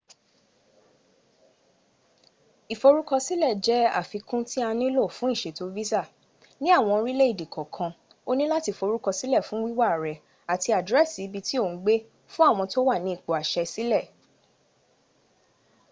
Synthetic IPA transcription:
i˨fo˧ɾu˦kɔ˧si˦lɛ˦˨d͡ʒɛ˦a̰˦˨fi˨˧kũ˦ti˦a˧nĩ˦lo˦˨fũ˨˦i˦˨ʃe˨to˨˦vi˦za˦˨ | nĩ˦a˦˨w̃ɔ̃˧ɾi˦le˦i˦˨di˨kʰɔ˨kʰã˧ | o˦nĩ˦la˦ti˧˨fo˧ɾu˦kɔ˧si˦lɛ˦˨fũ˦wi˦wa˦˨ɾɛ˨ | a˨ti˧a˨dɾɛ˦˨si˨˦bi˧ti˦o˦˨n̩˦ɡ͡be˦ | fũ˦a˦˨w̃ɔ̃˧to˦wa˦˨nĩ˧˦i˨k͡po˨a˨ʃɛ˧si˦lɛ˦˨

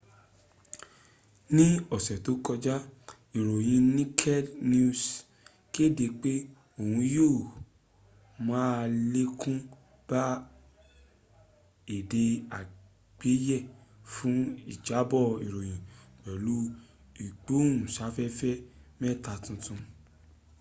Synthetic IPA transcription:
nĩ˦ɔ˦˨sɛ˨to˨˦kɔ˧d͡ʒa˦ | i˨ɾo˨j̃ĩ˧nĩ˦kʰɛ˦dni˦˧s | ki˦e˦˨de˨˦k͡pe˦ | o˦˨hũ˧jo˦˨ | mãː˦le˦kũ˦ | b̥a˦ | e˨de˧a˨ | ɡ͡b̥e˨˦jɛ˦˨fũ˦i˦˨d͡ʒa˨˦bɔ˦˨i˨ɾo˨j̃ĩ˨k͡pɛ˨lu˦ | i˨ɡ͡bo˨˦ũ˨ʃa˨˦fɛ˦fɛ˦mɛ˦˨ta˧tũ˧tũ˧

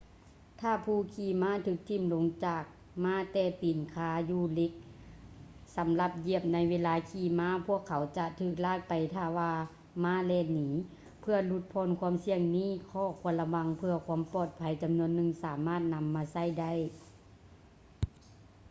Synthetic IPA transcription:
t̪ʰaː˧˩pʰuː˧˩kʰiː˧˩maː˧˥˨t̪ʰɯː˧˩k̚t̪ʰi˧˩mlo˨˦ŋt͡ɕaː˧˩k̚ | maː˧˥˨t̪ɛː˧˩p̪iː˨˩nkʰaː˧˦juː˧le˧˦k̚ | sa˨˦mla˧˦p̚ji˧˩əp̚na˧˥jʋeː˧˥laː˧˥kʰiː˧˩maː˧˥˨pʰu˥˩əkʰːa˨˦wt͡ɕa˧t̪ʰɯː˧˩k̚laː˧˩t̪̚pa˨˩jt̪ʰaː˧˩ʋaː˧ | maː˧˥˨lɛː˧˩niː˨˦ | pʰɯ˧ɐlu˧˦t̪̚pʰɔː˧˨nkʰwu˧˥ə˨msi˧əŋniː˧˥˨kʰɔː˧˩kʰu˧˦ənla˧wa˧˥ŋpʰɯ˧ɐkʰwuː˧˥˨mpɔː˧˩t̪̚pʰa˧˦jt͡ɕa˨mnu˧˥ənːɯ˧˨ŋsaː˨˦maː˥˩˨t̪̚na˧mːaː˧sa˧˥˩jda˥˩˨j

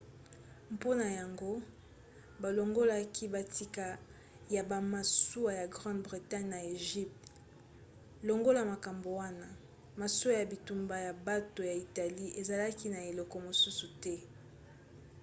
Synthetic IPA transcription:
mpo˦na˨ja˨ŋɡo˦ | ba˨lo˨ŋɡo˦la˦kʰi˦ba˨ti˨ka˨ | ja˨ba˨ma˨su˦a˨ja˨ɡʁɑ̃˦ndbʁi˨ta˦ɲna˨e˨ʒi˦p̚t | lo˨ŋɡo˦la˨ma˨ka˨mbo˨wa˦na˦ | ma˨su˦a˦˨ja˨bi˨tu˨mba˨ja˨ba˦to˨ja˨i˨ta˨li˦ʔe˨za˨la˦ki˦na˨e˨lɔ˨kɔ˦mo˨su˦su˨tɛ˦

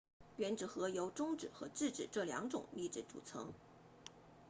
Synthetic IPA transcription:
ɥɛ˧˥nʈ͡ʂɻ̩˨˩xɤ˧˥jo˧˥ʊʈ͡ʂʊ˥ŋʈ͡ʂɻ̩˨˩xɤ̰˧˥ʈ͡ʂɻ̩˥˩ʈ͡ʂɻ̩˨˩ʈ͡ʂɤ˥˩ljɑ̰˧˥ŋʈ͡ʂʊ˨˩ŋli˥˧ʈ͡ʂɻ̩˥˩ʈ͡ʂṵ˨˩t͡sʰɤ̰˧˥ŋ

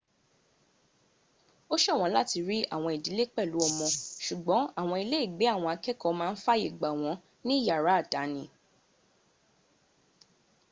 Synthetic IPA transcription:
o˦ʃɛ˦˨w̃ɔ̃˧˦la˦˨ti˧ɾi˦a˦˨w̃ɔ̃˧i˨di˨˦le˦k͡pɛ˦˨lu˨˦ɔ˧mɔ̃˧ʃu˨ɡ͡bɔ̃˨˦a˦˨w̃ɔ̃˧i˧le˦i˦˨ɡ͡be˨˦a˦˨w̃ɔ̃˧a˧kɛ˦kɔ˧mãː˦n̩˦fa˦i˦˨ɡ͡ba˨w̃ɔ̃˨˧˦ | nĩ˦i˦˨ja˨ɾa˨˦˨d̥a˨˦nĩ˨˦

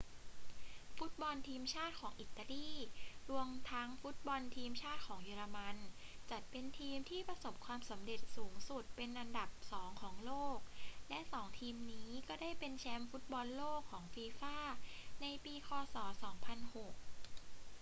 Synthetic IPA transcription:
fu˦˥t̪̚bɔ˧nt̪ʰiː˧mt͡ɕʰaː˥˩t̪̚kʰɔː˩˦ŋʔi˨˩t̪ːa˧liː˥˩ɾu˧əmt̪ʰa˦˥ŋfu˦˥t̪̚bɔ˧nt̪ʰiː˧mt͡ɕʰaː˥˩t̪̚kʰɔː˩˦ŋjiː˧ɾa˧ma˧nt͡ɕa˨˩t̪̚pe˧nt̪ʰiː˧mt̪ʰiː˥˩pɾa˧so˨˩p̚kʰwaː˧msa˩˦mde˨˩t̪̚suː˩˦ŋsu˨˩t̪̚pe˧nʔa˧nda˨˩p̚sɔː˩˦ŋkʰɔː˩˦ŋloː˥˩k̚lɛ˦˥ʔsɔː˩˦ŋt̪ʰiː˧mniː˦˥kɔː˥˩daː˥˩jpe˧nt͡ɕʰɛː˦˥mfu˦˥t̪̚bɔ˧nloː˥˩kʰːɔː˩˦ŋfiː˧faː˥˩na˧jpiː˧kʰɔː˧sɔː˩˦sɔː˩˦ŋpʰa˧nho˨˩k̚

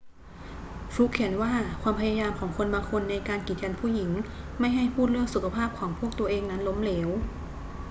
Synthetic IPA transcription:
fɾuː˦˥kʰːi˩˦nwaː˥˩kʰwaː˧mpʰa˧jaː˧jaː˧mkʰɔː˩˦ŋkʰo˧nbaː˧ŋkʰo˧nːa˧jkaː˧nki˨˩t̪̚a˧npʰuː˥˩ji˩˦ŋma˥˩jɦa˥˩jpʰuː˥˩t̪̚ɾɯ˥˩əŋsu˨˩kʰa˧pʰaː˥˩p̚kʰɔː˩˦ŋpʰu˥˩ək̚t̪u˧ɐʔeː˧ŋna˦˥nlo˦˥mleː˩˦w

